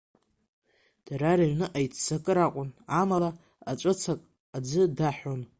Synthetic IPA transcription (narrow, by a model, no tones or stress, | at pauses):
d̥aɾaɾaɥnɨʔajt͡sʰt͡sakʼɨɾaqʷʼʊnamala | at͡ʃʷʼɨt͡sʰakʼ | ad͡zɨdaħon